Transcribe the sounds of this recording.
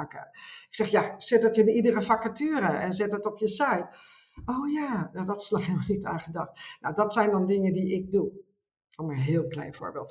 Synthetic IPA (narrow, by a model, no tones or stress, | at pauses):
kə̰ɪksɛxjasɪtətɪnidərəfakətyːɾəɛnzɪtətɔpjəsɛjt | oːjaːnadɔtɪ̥slaximənita̰ːχədɑχtna̰wdɔtsɛjndɔndɪŋədiɪɡ̚du | ɔmənɦɪːlˠklɛ̰jnfo̰ːɹbeːlˠt